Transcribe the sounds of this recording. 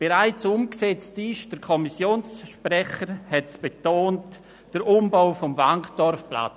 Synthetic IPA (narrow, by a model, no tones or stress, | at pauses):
b̥eɾaɪt͡sʊmksɛt͡stɪʃd̥əɾkʰɔmisjoːnsʃprɛχəɾhɛtsb̥etoːnt | d̥əɾʔʊmbaʊfɔmvaŋkd̥ɔɾfpla̰t͡s